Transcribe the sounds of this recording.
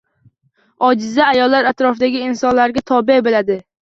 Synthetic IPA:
ɒd͡ʒɪzaːjɒlːaɾat̪ɾɒfd̪aɡʲɪɪnsɒnlaɾɡʲat̪ʰɒbebelad̪ɪ

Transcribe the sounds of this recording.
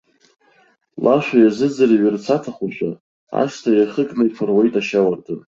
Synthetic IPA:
lʔaʃʷᶣajazɨd͡zariɥɪrt͡sʰatʰaχʷaʃʷᶣa̰ | a̰ʂtʰajaχəkʼnaifʰarwejtʼaʃawartʰɨn

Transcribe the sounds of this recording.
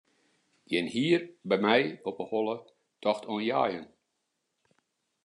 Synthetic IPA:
ɡjɛnhiːrbɛjmɛjɔpəhɔlˠə | tʰɔxtʰoənja̰ːjən

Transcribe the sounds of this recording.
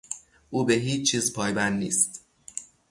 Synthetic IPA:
ʔuːbeɦiːt͡ʃt͡ʃʰːiːzpʰɒːjbænːnḭːst̪

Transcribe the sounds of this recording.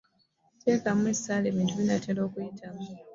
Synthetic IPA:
teːkamuwesaleːβiːntuβinatelo̞ːkujitʰamu

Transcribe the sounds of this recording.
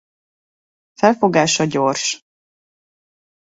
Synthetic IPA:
fɛlfo̞ɡaːʃɒɟo̞rʃ

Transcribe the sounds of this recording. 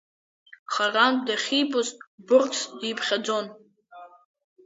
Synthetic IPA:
χarandaχʲibʊzbʊrkʰʼsdipʰχʲad͡zo̞n

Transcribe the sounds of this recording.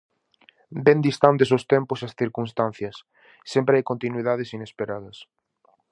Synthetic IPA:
d̪end̪ist̪ant̪es̬ost̪emposasθiɾkunst̪an̟θjɐsː | empɾeajkont̪inwiðað̞esinespeɾaðɐs

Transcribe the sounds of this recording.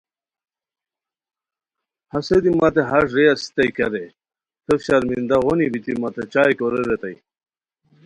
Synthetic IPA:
hɐsed̪imat̪eɦaʂɾejasi̥t̪ɐjkɐɾe | t̪ʰəfɕaɾmind̪aʁonibit̪imat̪et͡ɕaːjkoɾeɾet̪aj

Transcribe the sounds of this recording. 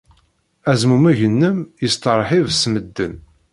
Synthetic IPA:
æzmumæʝənːəmjəst̪əɾˤħivsməd̪ːə̰n

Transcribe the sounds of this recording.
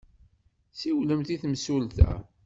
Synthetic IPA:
siwləmt̪iθmsult̪æ̰

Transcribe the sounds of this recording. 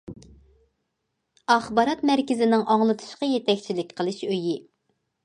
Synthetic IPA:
ɑχbɑɾɑt̪mæɾkʲɪzɪnɪŋʔɑŋlˠɨt̪ʰɨ̥ʃqɑjet̪ʰɛkʲt͡ʃʰilɪkʲqʰəlˠɨʃøji

